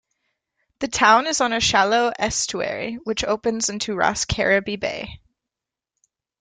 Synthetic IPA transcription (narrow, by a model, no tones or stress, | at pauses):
ðɨtʰãʊ̃nɨzn̩ɨʃælˠoʊʔɛst͡ʃuɛ̰ɹḭwɨt͡ʃoʊpɨ̃nzɪ̃ntʰʉɹɑ̰skʰɛ̰ɹɨbibḛɪ